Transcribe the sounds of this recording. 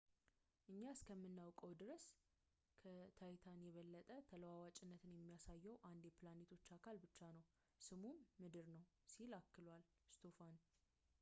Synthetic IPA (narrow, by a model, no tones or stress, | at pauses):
ʔɨɲːaskʰəmːɨnːawkʼəwd̪ɨɾəs | kʰət̪ʰajt̪ʰanjɛβəlːət̪ʼət̪ʰələwawat͡ʃʼɪnːət̪ʰɨnjɛmːijasajːɛwʔand̪jɛplanet̪ʰo̞t͡ʃːakʰalbɨt͡ʃːanəw | sɨmumːɨd̪ɨɾnəw | silakːɨlwal | st̪ʰofan